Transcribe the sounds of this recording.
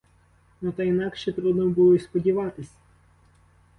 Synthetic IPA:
nɔt̪ɐinɑkʃɛt̪ɾud̪nɔbulˠɔispɔdʲiʋɑt̪ɪsʲɐ̥

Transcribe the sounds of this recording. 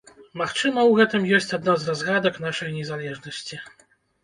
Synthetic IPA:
maxt͡ʂɨmɐwɣɛt̪ɨmjɔsʲt͡sʲad̪nazrazɣad̪ɐknaʂɐjnʲɛzalʲɛʐnɐsʲt͡sʲi

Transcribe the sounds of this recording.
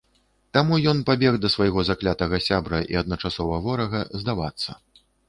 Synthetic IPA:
t̪amujɔnpabʲɛɣd̪ɐsvɐjɣɔzaklʲat̪ɐɣɐsʲabɾɐʔḭɐd̪̚nɐt͡ʂasɔvɐvɔɾɐɣɐzd̪avat̪sːɐ

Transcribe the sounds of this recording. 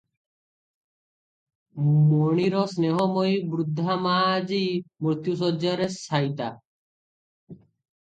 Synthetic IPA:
moɽ̃iɾɔsneɦɔmojbɾud̪ʱːamaːd͡ʒiːmɾt̪jusɔd͡ʒaɾesʰaːjt̪a

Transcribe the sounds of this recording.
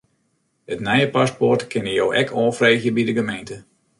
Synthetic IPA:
ətnɛjəpaspɔrtkʰɪnəjowʔɛkʰɔːlfreːxjəbidəɡəmejntə

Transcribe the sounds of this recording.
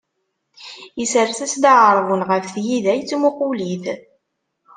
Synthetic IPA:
isəɾθæsd̪aʕəɾˤvunʁəfθjiðæjt͡sːmʊquliθ

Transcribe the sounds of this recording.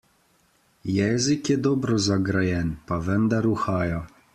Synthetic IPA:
jɛːzikjɛd̪ɔːbɾɔzaɡɾajɛnpaʋɛnd̪aɾuxaːjɔ

